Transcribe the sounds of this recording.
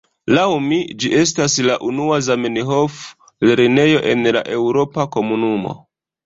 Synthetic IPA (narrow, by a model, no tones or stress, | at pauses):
lawmid͡ʒiʔe̞staslaʔunuazameniɦo̞f | leɾine̞jo̞ʔe̞nla̰ʔe̞wɾo̞pako̞munumo̞̰